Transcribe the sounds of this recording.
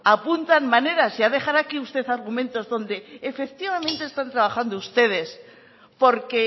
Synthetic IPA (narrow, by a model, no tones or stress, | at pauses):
apunt̪anmane̞ɾasiaðe̞xaɾakiust̪e̞θaɾɣ̞umẽ̞nt̪o̞zðõ̞nd̪e̞ːfe̞k̚t̪iβamẽ̞nt̪e̞ːst̪ant̪ɾaβ̞axand̪oust̪e̞ð̞e̞s | po̞ɾke̞